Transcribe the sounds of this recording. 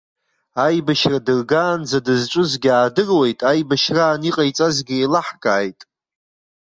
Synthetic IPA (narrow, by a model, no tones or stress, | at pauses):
ajbaʃradɨrɡaːnd͡zadɨzʈ͡ʂʷʼʊzɡʲaːdɨrwe̞jtʼajbaʃraːniqʼajt͡sʼazɡʲɪejlaħkʼaːjtʼ